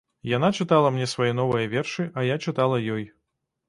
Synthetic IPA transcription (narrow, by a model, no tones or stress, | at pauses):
jan̪at͡ʂɨt̪alˠɐmnʲɛsvajɛnɔvɐjɐvʲɛrʂɨʔɐjat͡ʂɨt̪alˠɐjɔj